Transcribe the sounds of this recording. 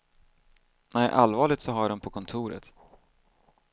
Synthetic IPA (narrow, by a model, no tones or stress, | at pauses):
nʔæʔalvɑːɭɪt̪sɔɦaɖɔmpʰɔkʰɔnt̪ʰuːɾə̰t̪